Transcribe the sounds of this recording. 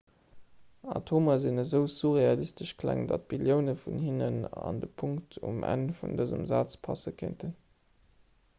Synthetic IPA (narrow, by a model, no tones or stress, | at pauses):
ɑ̰tʰoːmɐzinəzəʊsuʁeɑlistəʃkʰlæ̰ŋdɑt̚b̥iljəʊnəfunhinənɑndəpʰuŋktʰṵmʔæ̰nfundəzə̰mza̰ːt͡spʰɑsəkʰḛntʰən